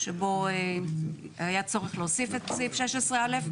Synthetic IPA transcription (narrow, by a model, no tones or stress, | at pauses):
ʃebo̞e | hajat͡so̞ʁeχleosifet̪sifʃeʃesʁealef